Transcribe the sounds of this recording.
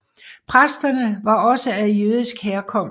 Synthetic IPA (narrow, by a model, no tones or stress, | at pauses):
pʰʁasd̥ɐnəʋɑ̈ɒ̽səæðˠjøːðˠisɡ̥heːɐkʰɒ̽m̰